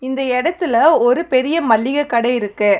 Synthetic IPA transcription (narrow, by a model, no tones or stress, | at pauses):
ɪnd̪ɐɛɽɐt̪ːɪlɐɔɾɯpɛɾɪjɐmɐɭːɪɣɐkːɐɽɐɪɪɾɯkːɯ